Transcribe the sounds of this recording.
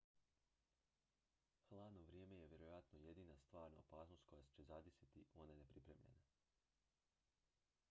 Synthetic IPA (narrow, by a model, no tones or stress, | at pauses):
xlˠaːd̪no̞ʋɾjeːme̞jeʋje̞ɾojat̪noje̞d̪iːnast̪ʋaːɾna̰opaːsno̞st̪ko̞jast͡ɕezad̪isit̪ionenepɾipɾḛːmʎḛna